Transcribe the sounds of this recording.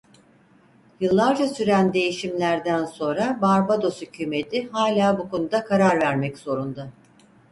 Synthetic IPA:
jɯlˠːaɾd͡ʒasyɾænd̪e̞jiʃimlʲæɾd̪ænso̞nɾabaɾbad̪o̞shycʰyːme̞t̪ʰiɦaːlʲaːbuko̞nud̪akʰaɾaɾvæɾmɛcz̥o̞ɾund̪ʊ

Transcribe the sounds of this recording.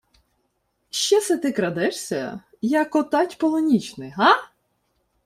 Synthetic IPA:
ʃt͡ʃɛsɛt̪ɪkɾɐd̪ɛʂsʲɐ̰ | jɐkɔt̪ɑtʲpɔlˠɔnʲit͡ʃnɪɦɑ

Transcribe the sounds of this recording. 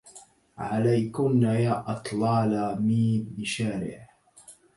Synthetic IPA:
ʕalajkʊmnajaːʔɑt̪ˤlɑːlamiːbɪʃaːɾɪ̰ʕ

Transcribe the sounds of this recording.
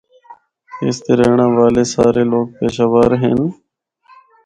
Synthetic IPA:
eːst̪eːɾeːɳãːʋaːleːsaːɾeːloːɡ̚peːʃaːʋaːɾɦḛːn

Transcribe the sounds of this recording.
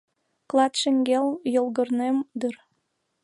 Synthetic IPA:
klˠɑt̪ʃeŋɡeljolˠɣə̆rnemd̪ər

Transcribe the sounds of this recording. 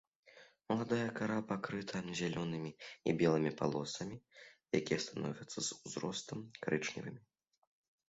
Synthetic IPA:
mɐlˠad̪ajɐkaɾapakɾɨt̪ʰɐzʲalʲɔnɨmʲiḭbʲɛlˠɨmʲipa̰lˠɔsɐmʲija̰kʲijɛst̪anɔ̰vʲɐt̪sːɐzuzɾɔst̪ɐmkɾɨt͡ʂnʲḭvɨmʲi

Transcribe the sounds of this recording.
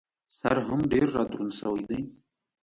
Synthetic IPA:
sa̰ɾɦamɖeɾːɑd̪ɾunsawajd̪əj

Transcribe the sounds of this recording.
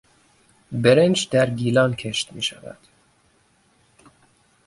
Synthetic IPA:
beɾend͡ʒd̪æɾɡiːlɒːnkʰeʃt̪mḭːʃæ̰væ̰d̪̥

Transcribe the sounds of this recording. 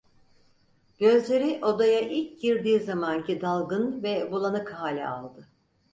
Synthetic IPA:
ɟ̥ø̞zlʲe̞ɾiʔo̞d̪ajaʔilʲcɟiɾd̪iːzamancid̪alˠɡɯnvɛbulˠanɯkɦaːlʲɛ̰a̰lˠd̪ɯ

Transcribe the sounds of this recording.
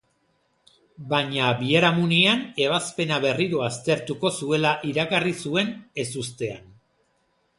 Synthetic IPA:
baɲabieɾamuniane̞β̞aspe̞naβe̞riɾo̞ast̪e̞ɾt̪uko̞sue̞laʔiɾakarisue̞ne̞sust̪e̞a̰n

